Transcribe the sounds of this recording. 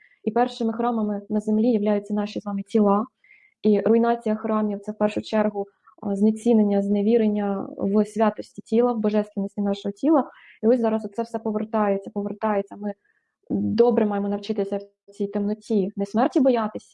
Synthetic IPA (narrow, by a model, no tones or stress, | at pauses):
ipɛrʃɪmɪxɾɑmɐmɪnɐzemlʲijɐʋlʲajʊt͡sʲːɐn̪ɑʃʲizʋɑmɪtʲilˠɑ | irʊinɑt͡sʲijɐxɾɑmʲiwt̪sɛwpɛrʃʊt͡ʃɛrɦʊ | znɐt͡sʲinenʲːɐzneʋʲiɾenʲːɐʋsʲʋʲɑt̪ɔsʲtʲitʲilˠɐwbɔʒɛst̪ɪnʲisʲtʲinɑʃɔɦɔtʲilˠɐ | iɔsʲzɑɾɐsɔt̪sɛwsɛpɔʋert̪ɑjet͡sʲːɐpɔʋert̪ɑjet͡sʲːɐmɪ | d̪ɔbɾɛmɑjemɔnɐwt͡ʃɪt̪ɪsʲɐw | t͡sʲijt̪emnɔtʲinɪsmɛrtʲibɔjɑt̪ɪsʲɐ̥